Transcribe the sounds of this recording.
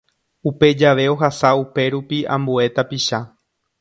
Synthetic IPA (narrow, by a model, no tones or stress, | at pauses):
upe̞d͡ʒaʋe̞o̞ɦasaupe̞ɾupiã̰mbue̞t̪apiʃa